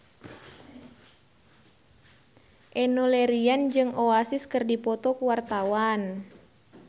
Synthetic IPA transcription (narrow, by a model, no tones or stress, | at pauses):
ʔɛnoleɾiand͡ʒɨŋoasɪskɨrdipɔt̪ɔkuwart̪awan